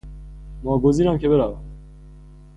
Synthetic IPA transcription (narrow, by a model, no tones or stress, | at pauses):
mɔːɡoziɾamkʰebeɾava